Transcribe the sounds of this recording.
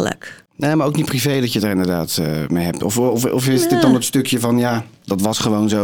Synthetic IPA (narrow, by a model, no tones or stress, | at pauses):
lə̰k | naːmaːɹowknitprivejdɑtjədaːɹɪndəɹdaːtːmejɦɛp̚tɔfɔfɔfɪsdɪt̚dɑnətstɵkjəvɑnjadɑtʋɑsχəʋownzo